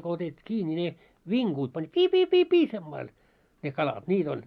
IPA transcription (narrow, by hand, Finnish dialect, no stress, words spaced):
ko otetˑĭ kiː nʲi ne ʋiŋkuːt pɑnʲ piː piː piː piː semːɑil ne kɑlɑt niːt olʲ